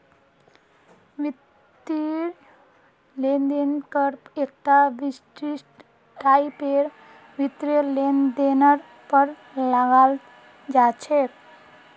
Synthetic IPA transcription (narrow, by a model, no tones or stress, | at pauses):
ʋi | t̪ːiɾ | lend̪inkəɾpek̚t̪aʋisʈɾisʈ | kajpeɾ | ʋit̪ɾilend̪enəɾ | pəɾ | laɡal | d͡ʒat͡ʃʰek